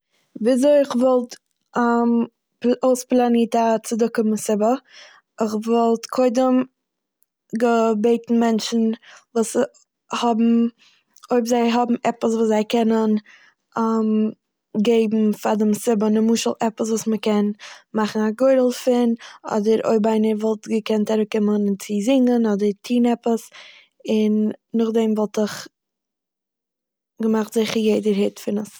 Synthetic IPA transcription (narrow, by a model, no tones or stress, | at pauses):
viːzoɪɪχvɔlˠtː | oʊsplˠaniːtat͡sɪdʊkɪməsɪbə | ɪχvɔlˠtkʰoɪdəm | ɡəbeɪtn̩mɛnt͡ʃn̩vuːs | hɔbm̩ | oɪbzaɪɦɔbm̩ɛpəsvuːszaɪkʰɛnən | am | ɡeɪbm̩fadɪmsɪbənɪmuːʃəlˠɛpəsvuːsməkɛnmaχn̩aɡoɪɾl̩ˠfɪnɔ̰dəɾo̰ɪbaɪnəɾvɔlˠtɡəkɛntaɾʊkːɪmənt͡sɪzɪŋənɔdəɾtʰiːnɛpəs | ɪnːʊχdɛmvɔlˠtəχ | ɡəmaχtz̥ɪχəɾjeɪdəɾhɪtfɪnəs